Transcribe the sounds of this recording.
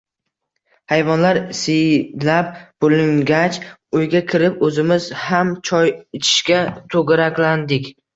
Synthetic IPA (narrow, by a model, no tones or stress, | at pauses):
hajvɒnlaɾsɪjlap̚b̥olɪŋɡʲat͡ʃ | ʊjɡʲakʲʰɪɾɪpɵzɪmɪzhamt͡ʃʰɒjɪt͡ʃʰɪ̥ʃkʲat̪ʰɵɡɪɾakʲland̪ɪkʲ